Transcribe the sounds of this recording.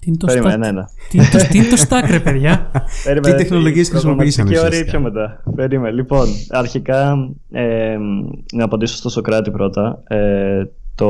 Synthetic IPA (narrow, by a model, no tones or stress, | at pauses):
t̪int̪oeɾimnenɐiot̪inet̪ost̪ɐkɾepeðʝɐpeɾimeit̪e̞xno̞loʝiesxɾisimompiisɐnioɾipçomet̪ɐpe̞ɾimenlipo̞nɐɾçikɐ | emnɐːpɐnd̪isost̪osokɾɐt̪ipɾo̞t̪ɐet̪o